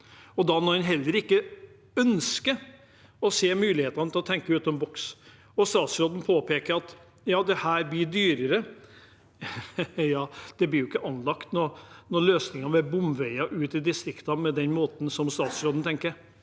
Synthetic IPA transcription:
ɔd̪ɑmɔhɛnɦɛlːəɾɪkːə | œnskə | ɔseːmʉːlɪheːt̪ɑnət̪ʰɪlɔt̪ʰɛŋkəʉːt̪ɔmbɔks | ɔst̪ɑːt̪sɾoːd̪n̩pʰoːpʰeːkəɾɑt̪ | jɑːd̪ɛhæːɾblɪɖyːɾəɾə | jɑːd̪̥ɛblɪɾjʊɪkːəʔɑnlɑkt̪nɔɾnɔɾɭøːsnɪŋɑʋɛbʊmʋæɪɑʔʉːt̪ɪd̪ɪst̪ɾɪkt̪ɑmɛd̪ɛnmoːt̪n̩sɔmst̪ɑːt̪sɾoːd̪n̩t̪ʰɛŋkəɾ

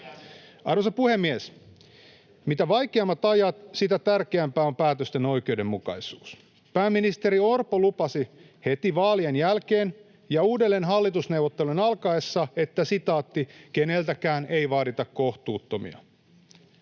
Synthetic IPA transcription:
ɑrʋosɑpuhe̞mːies | mit̪æʋɑjkeɑmːɑt̪ɑjɑt̪sit̪æt̪ærkeæmpæːompæːt̪øst̪eno̞jk̟e̞ude̞mːukɑ̰isuːs | pæːmːinist̪eɾiorpolupɑsi | he̞t̪iʋɑːlienjælke̞ːn | jɑuːdelːenɦɑlːit̪usne̞uwʋot̪ːe̞lunɑlkɑesːɑe̞t̪ːæsit̪ɑːt̪ːikene̞lt̪ækæːne̞jʋɑːɾit̪ɑkko̞ht̪uːt̪ːo̞mḭɑ̰

